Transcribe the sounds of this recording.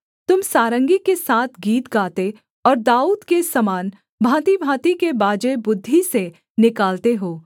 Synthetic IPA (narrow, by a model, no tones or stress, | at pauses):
t̪ʊmsaːɾə̃ŋɡikesaːt̪ʰɡiːt̪ɡaːt̪e | ɔːɾd̪aːuːd̪kesɐmaːn | bʱaːt̪ibʱaːt̪ikebaːd͡ʒebʊd̪ʱːise | nɪkaːlt̪eɦoː